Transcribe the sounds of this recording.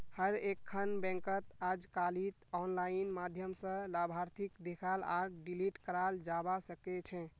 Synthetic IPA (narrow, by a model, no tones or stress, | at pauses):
həɾekʰːənbɛ̃ŋkət̪ad͡ʒkalit̪ɔnlainmad̪ʱjəmsə̃labʱaɾt̪ʰikd̪ekʰala̰ɖiliʈkəɾald͡ʒabasəkɛt͡ʃʰɛ̃